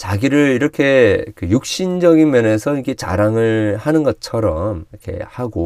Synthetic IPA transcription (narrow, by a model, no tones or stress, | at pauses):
t͡ɕaɡiɾɯɾiɾʌkʰe̞kɯjuk̚ɕ͈ind͡ʑʌɡinmjʌne̞sʰʌikʰe̞t͡ɕa̰ɾaŋɯɭhanɯnɡʌt͡ɕʰʌɾʌmiʌkʰe̞̰haɡo